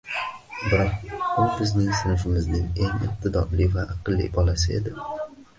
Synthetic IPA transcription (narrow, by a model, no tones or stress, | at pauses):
bɪɾɒq̚ʊbɪznɪŋsɪnɪʃɪmɪznɪŋe̞ŋɪ̰q̚t̪ʰɪd̪ɒɾlivaʔɑqɨlˠːḭbɒlasɪe̞̰d̪ɪ